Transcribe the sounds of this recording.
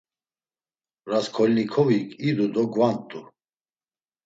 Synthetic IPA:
ɾaskʰɔlnikʰɔvikʰʼid̪ud̪ɔɡvant̪ʼu

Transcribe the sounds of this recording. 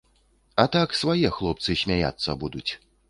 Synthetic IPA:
ɐt̪aksvajɛxlˠɔp̚t̪sɨsʲmʲaja̰t̪sːɐbud̪ut͡sʲ

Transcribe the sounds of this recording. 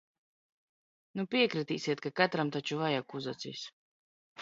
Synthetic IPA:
nupiɛkɾɨt̪iːsiɛt̪̚kakat̪ɾamt̪at͡ʃuvajakuzat̪sḭːs

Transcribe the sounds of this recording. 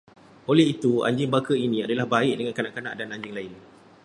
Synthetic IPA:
olɛɦit̪ua̰ɲd͡ʒɪŋbakəinĩadalahbaɪʔdəŋãnkanãʔkanã̰ʔdanaɲd͡ʒɪŋlaɪn

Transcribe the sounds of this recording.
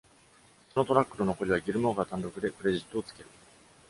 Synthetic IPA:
sono̞t̪o̞ɾakːɯ̟ɾono̞ko̞ɾʲiβ̞aɡʲiɾɯ̟mo̞ɡat̪ãnɾo̞kɯ̟d̪e̞pɯ̟ɾe̞ʑit̪ːo̞ːt͡sɨ̥ke̞ɾɯ̟

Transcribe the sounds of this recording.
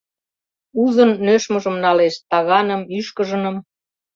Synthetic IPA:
uzə̆nːøʃmə̆ʒə̆mnɑleʃt̪ɑɣɑnəmyʃkəʒə̆nə̆m

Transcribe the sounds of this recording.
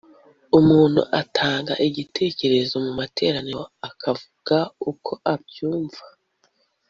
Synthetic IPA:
umuːn̥hṵʔatʰaːŋɡaʔiɟitʰe̞ːce̞ɾe̞zo̞mumate̞̰ːɾaniɾoakʰavuɡ̥aukʰo̞ʔab̚juːɱva

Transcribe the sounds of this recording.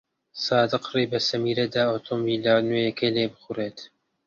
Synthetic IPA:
sɑːd̪ɨqriːbɐsɐmiːɾɐd̪aːoːt̪ʰombiːlanuːjɐkʰɐjleːbɨxureːt̪

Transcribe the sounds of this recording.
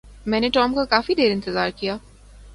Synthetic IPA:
mɛ̃ːneʈɔːmkakaːfid̪eːɾɪ̃nt̪ɪzaːɾkijaː

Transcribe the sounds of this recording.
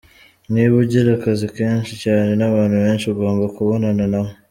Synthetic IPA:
niβuɟiɾakazikeːnʃicaːne̞naβaːnhuβe̞ːnʃiuɡo̞ːmbakuβo̞nananaβo

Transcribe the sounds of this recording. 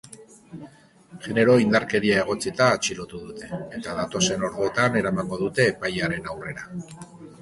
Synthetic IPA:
ʝe̞ne̞ɾo̞ind̪aɾke̞ɾiae̞ɣ̞o̞t͡sit̪aːt͡ʃilo̞t̪uðut̪e̞ːt̪aðat̪o̞se̞no̞ɾɣoot̪ane̞ɾamaŋɡo̞ðut̪e̞ːpajaɾe̞nawre̞ɾa

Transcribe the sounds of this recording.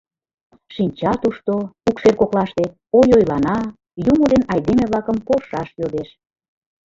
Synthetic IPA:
ʃinʲt͡ɕɑt̪uʃt̪oukʃerkoklɑʃt̪e | ojojlɑnɑ | jumod̪enɑjd̪emeβlɑkəmpolʃɑʃjod̪eʃ

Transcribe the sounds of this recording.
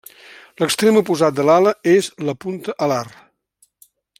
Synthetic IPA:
ləkst̪ɾemupuzat̪̚d̪əlaləezləpunt̪əʔəlar

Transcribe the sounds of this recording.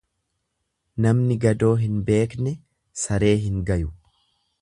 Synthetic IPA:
nɐmnɪɡɐd̪o̞ːɦɪnbe̞ːknɛ | sɐɾe̞ːɦɪŋɡɐjʊ

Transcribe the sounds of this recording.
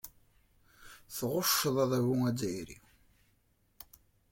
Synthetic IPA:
θʁʊʃːəðˤæðˤæwuŋæd͡zæjɾḭ

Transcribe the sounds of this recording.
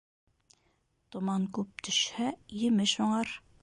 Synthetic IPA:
t̪ŏmɑŋkʉp̚t̪ʰɵ̆ʃhæjɘ̆mɘʃhuɴɑɾ

